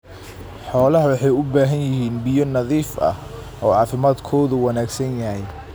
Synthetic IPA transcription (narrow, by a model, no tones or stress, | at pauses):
ħɔːlɐɦɐwɑħɑjʊbaːɦɐnjɪɦiːnbɪjɔnɐðiːfʔɐ̰ | ʔɔːʕɑːfɪmaːd̪kʰɔːðʊwɑnaːɡsɐnjɐhɛj